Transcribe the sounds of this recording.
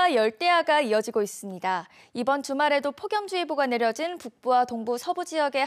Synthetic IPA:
ajʌɭt͈e̞ɦaɡaiʌd͡ʑiɡois͈ɯmɲida | ibʌntumaɾe̞dopʰoɡjʌmd͡ʑuiboɡane̞ɾjʌd͡ʑinpuk̚p͈uwatoŋbusʰʌbud͡ʑijʌɡe̞

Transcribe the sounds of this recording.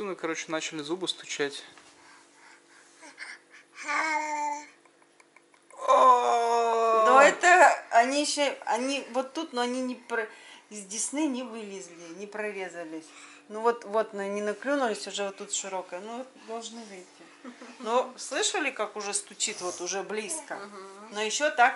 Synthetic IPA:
ɨnɨkɐɾo̞t͡ɕɪ̥nat͡ɕɪlʲɪzubɨst̪ʊ̥t͡ɕætʲ | o | noɛt̪əɐnʲijɕːoɐ̰nʲivo̞t̪ːut̪noɐnʲinʲɪpɾəɪzʲdʲɪsnɨnʲɪvɨlʲɪzʲlʲɪnʲɪpɾɐvʲe̞zəlʲɪ | nuvo̞t̪vo̞t̪nonʲɪnɐklʲunʊlʲɪsʲʊʐɛvot̪ːut̪ʂɨɾo̞kəjənuot̪̚d̪ɐlˠʐnɨvɨjtʲːɪ | noslˠɨʂəlʲɪkakʊʐɛst̪ʊt͡ɕit̪vo̞t̪ʊʐɛblʲiskənojɪɕːot̪ak

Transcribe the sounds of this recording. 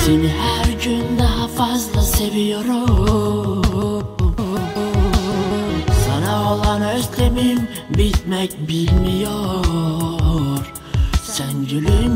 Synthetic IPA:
senihæɾɟynd̪ɑɦafazlˠase̞vijoɾu | sɑnaolˠɑnøslemim | bit̪mɛcbilʲmijo | ɾ | sænɟylym

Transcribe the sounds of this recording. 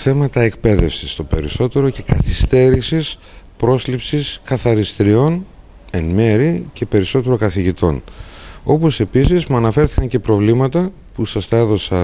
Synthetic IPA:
θe̞mɐt̪ɐe̞kpe̞ðe̞fsist̪o̞pe̞ɾiso̞t̪e̞ɾo̞ce̞kɐθist̪e̞ɾisis | pɾo̞slipsiskɐθɐɾist̪iɾio̞n | e̞nme̞ɾice̞pe̞ɾiso̞t̪e̞ɾo̞kɐθiʝit̪o̞̰no̞po̞se̞pisizmuɐnɐfe̞ɾθi̥kɐɲce̞pɾo̞vlimɐt̪ɐ | pusɐst̪ɐe̞ðo̞sɐ

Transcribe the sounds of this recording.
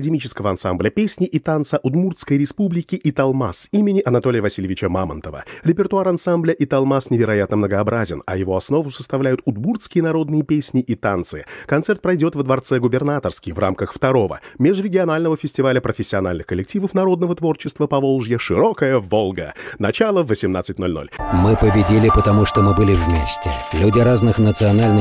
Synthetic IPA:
ɐədʲɪmit͡ɕɪ̥skəvəɐnsamblʲəpʲesʲnʲɪʔit̪ant̪səʔʊd̪murt̪skəjɾʲɪspublʲɪkʲɪʔit̪ɐlˠmasimʲɪnʲɪʔɐnɐt̪olʲɪjəvɐsʲilʲɪvʲɪt͡ɕəmamə̰nt̪əvə̰ɾʲɪpʲɪrt̪ʊaɾɐnsamblʲəʔit̪ɐlˠmasnʲɪvʲɪɾɐjat̪nəmnəɡəɐbɾazʲɪnɐjɪvo̞ɐsno̞vʊsə̥st̪ɐvlʲæjʊt̪ʊd̪murt̪skʲɪjənɐɾo̞d̪nɨjəpʲesʲnʲɪʔit̪ant̪sɨɪkɐnt̪sɛrt̪̚pɾɐjdʲo̞t̪vəd̪vɐrt̪sɛɡʊbʲɪrnat̪ərskʲɪjvrʔa̰mkəxft̪ɐɾo̞və̰mʲeʐɾʲɪɡʲɪɐnalʲnəvəfʲɪsʲtʲɪvalʲəpɾəfʲɪsʲːɪɐnalʲnɨxkəlʲɪk̚tʲivəfnɐɾo̞d̪nəvət̪vo̞rt͡ɕɪst̪vəpɐvo̞lˠʐjəʂɨɾo̞kəjəvo̞lˠɡə̰nɐt͡ɕalˠəvːəsʲɪmna̰t̪sɨtʲno̞lʲno̰lʲmɨpəbʲɪdʲilʲɪpət̪ɐmuʂt̪omɨbɨlʲɪvmʲesʲtʲɪlʲudʲɪɾaznɨxnət̪sɨɐnalʲnɨ

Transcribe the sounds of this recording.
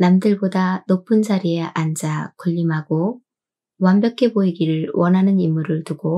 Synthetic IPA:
namdɯɭbodanopʰɯnd͡ʑaɾieand͡ʑakʌʎːimɦaɡo | wambjʌkʰe̞boiɡiɾɯɭwʌnɦanɯnimːuɾɯɭtuɡo

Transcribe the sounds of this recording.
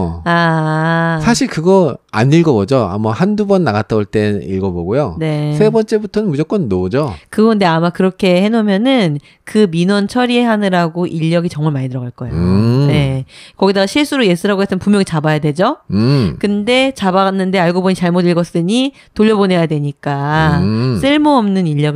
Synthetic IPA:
a | sʰaɕʰiɭkɯɡʌa̰ɲːiɭɡʌbod͡ʑoa̰mahandubʌnːaɡatʰʌboɭt͈e̞ḭɭɡʌboɡujone̞sʰe̞bʌnt͡ɕ͈e̞butʰʌnɯnmud͡ʑʌkwʌnːoud͡ʑokɯɡʌɯnde̞amakɯɾʌkʰe̞he̞nomjʌnɯn | kɯminwʌnt͡ɕʰʌɾie̞ɦanɯɾaɡoʔiʎːʌɡit͡ɕʌŋmaɭmaɲitɯɾʌɡaɭk͈ʌejone̞kʌɡidaɡaɕʰiɭs͈ʰuɾoje̞s͈ɯɾaɡoɦes͈ʰɯmpumjʌŋit͡ɕabajadwe̞d͡ʑokɯnde̞t͡ɕabanːɯnde̞aɭɡoboɲit͡ɕaɭmodiɭɡʌs͈ɯɲi | toʎːʌbonɦe̞jadwe̞ɲik͈a | s͈ʰɯɭmuʌmnɯniʎːʌɡ

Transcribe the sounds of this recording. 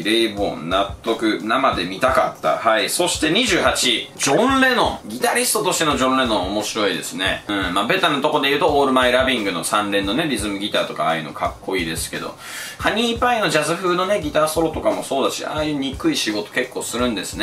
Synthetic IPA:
ɾeibõ̞̰nnat̪ːo̞kɯ̟namad̪e̞mʲit̪aka̰t̪ːa̰haiso̞ɕi̥t̪e̞ɲ̟iʑɨːhat͡ɕid͡ʑõ̞nɾe̞no̞ɡʲit̪aɾʲisɨ̥t̪o̞t̪o̞ɕt̪e̞no̞ʑõ̞nɾe̞no̞ːmo̞ɕiɾo̞id̪e̞̰sɨne̞̰ɯ̟̃mabe̞t̪anot̪o̞ko̞d̪e̞jɯ̟ːt̪o̞oːɾɯ̟maiɾabʲĩŋɡɯ̟no̞̰sãnɾẽ̞nːo̞ne̞ɾʲizɨmɯ̟ɡʲit̪a̰ːt̪okaa̰ːjɯ̟no̰kʰakːo̞iːd̪e̞sɨ̥ke̞d̪o̞̰ | haɲ̟iːpaino̞d͡ʑazɨɸɯ̟ːno̞ne̞ɡʲit̪aːso̞ɾo̞t̪o̞kamo̞̰so̞ːd̪aɕḭʔaːjɯ̟ːɲ̟ikɯ̟iɕiɡo̞t̪o̞̥ke̞kːo̞ːsɨɾɯ̟̃nd̪e̞sɨne

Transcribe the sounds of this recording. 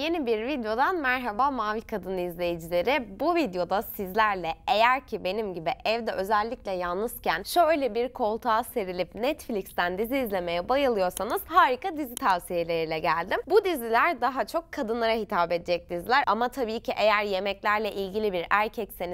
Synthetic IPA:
je̞nibiɾvid̪jo̞d̪anmæɾɦabamaːvikʰad̪ɯnɯizlʲe̞jed͡ʒilʲe̞ɾɪbuvid̪jo̞d̪asizlʲæɾlʲɛe̞jæɾcʰibe̞nimɟibiʔɛvd̪ɛʔø̞zælʲːiclʲɛjalˠnɯscænʃøjlʲɛbiɾkʰo̞lˠt̪ʰaːse̞ɾilʲipnɛt̪flʲicst̪ænd̪iziːzlʲe̞me̞jɛbajɯlˠɯjo̞ɾsanɯz̥haːɾikad̪izit̪ʰavsijɦelʲe̞ɾilʲɛɟælʲd̪imbud̪izilʲæɾd̪aɦat͡ʃʰo̞kʰːad̪ɯnlˠaɾaɦit̪ʰaːbed̪id͡ʒɛc̚d̪izilʲæɾamat̪ʰabiːcʰiʔe̞jæɾje̞mɛclʲæɾlʲɛʔilʲɟilʲibiɾæɾcʰɛcse̞ni

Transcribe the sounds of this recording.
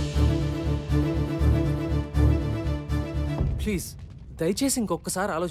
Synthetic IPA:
pliːz | d̪ɐjt͡ʃeːsiŋkɔkːɐsaːɾaːloː

